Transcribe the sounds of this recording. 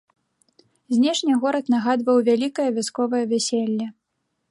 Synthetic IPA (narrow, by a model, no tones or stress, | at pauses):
zʲnʲɛʂnʲiɣɔɾɐt̪naɣad̪vɐwvʲalʲikɐjɐvʲaskɔvɐjɐvʲæsʲelʲːɐ